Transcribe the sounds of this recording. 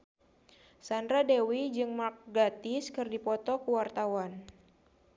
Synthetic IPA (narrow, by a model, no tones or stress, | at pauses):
sandɾadewid͡ʒɨŋmak̚ɡat̪ɪskɨrdipɔt̪ɔkuwart̪awan